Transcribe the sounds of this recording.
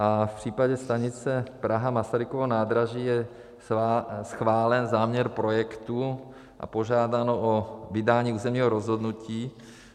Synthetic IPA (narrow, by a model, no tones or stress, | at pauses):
ʔafpr̝̥iːpaɟɛst̪aɲɪt͡sɛpɾaɦamasaɾɪkovonaːd̪ɾaʒiːjɛ | sxvaːlɛnzaːmɲɛɾpɾojɛkt̪u | ʔa̰po̞ʒaːdanoʔovɪdaːɲiːuːzɛmɲiːɦoɾozɦod̪nuciː